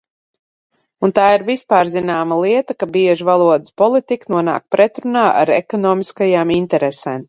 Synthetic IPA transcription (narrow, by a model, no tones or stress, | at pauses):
unt̪aːiɾvispaːɾzinaːmalˠiɛt̪akabiɛʒivalˠuɔd̪ɨ̥spɔlˠit̪iknuɔna̰ːk̚pɾɛt̪ɾunaːʔa̰ɾɛ̰kɔnɔːmiskajaːmint̪ɛɾesɛːm